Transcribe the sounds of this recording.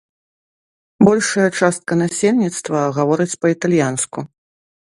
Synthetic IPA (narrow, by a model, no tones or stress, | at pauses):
bɔlʲʂɐjɐt͡ʂast̪̚kɐnasʲelʲnʲit̪st̪vɐɣavɔɾɨt͡sʲpɐit̪alʲjansku